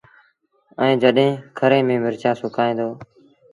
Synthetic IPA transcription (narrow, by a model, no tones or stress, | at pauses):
əẽːd͡ʒəɗɦẽːkʰəɾẽːmẽːmɪɾt͡ʃaːsʊkʰaːẽːnd̪oː